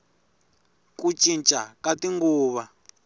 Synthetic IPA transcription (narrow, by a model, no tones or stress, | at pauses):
kut͡ʃʼint͡ʃʼakatiŋɡuːβa